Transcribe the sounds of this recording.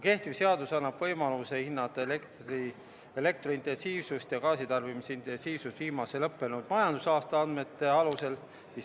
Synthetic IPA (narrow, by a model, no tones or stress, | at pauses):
ke̞ht̪ivse̞ɑd̪usɑnːɑb̥vɤ̞jmɑluse̞hinːɑt̪ːˑlekt̪ri | ele̞k̚t̪roint̪e̞nsiːvsust̪jɑkɑːsit̪ɑrvimiseint̪ˑe̞nsiːvsust̪v̥iːmɑse̞lɤpːe̞nud̪̥mɑjɑnd̪usɑːst̪ɑɑnd̪me̞t̪ːˑe̞ɑluse̞l | sis